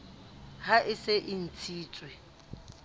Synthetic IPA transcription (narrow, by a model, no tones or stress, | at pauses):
haʔɪseʔɪn̩t͡sʰiːt͡sʼwɪ